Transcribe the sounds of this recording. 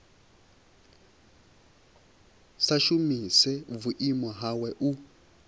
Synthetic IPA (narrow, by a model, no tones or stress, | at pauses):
saʃumisɛvuʔimwaɦawɛʔu